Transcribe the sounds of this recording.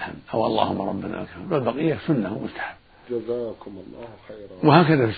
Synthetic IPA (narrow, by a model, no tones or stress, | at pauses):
ħamʔawʔɑ̰lˤːɑ̰ːhʊmːaɾˤɑ̰bːana̰ʔa̰kɾɑmlalbɑqɪjːasʊnːahmʊst̪ḁħabː | d͡ʒzaklː | wɪhaːkaðafis